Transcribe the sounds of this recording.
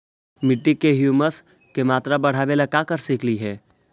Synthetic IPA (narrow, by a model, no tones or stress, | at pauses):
mɪʈːɪkːeɦjuːməs | kemaːt̪ɾabɐɽ̤aːʋelɐkakəɾseːkliɦɛː